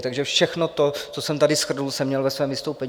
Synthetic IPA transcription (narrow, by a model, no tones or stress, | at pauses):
t̪aɡʒɛfʃɛxno̞t̪o̞t͡sosɛmt̪adɪsxr̩nulsɛmɲɛlvɛsvɛːmvɪst̪owpɛɲ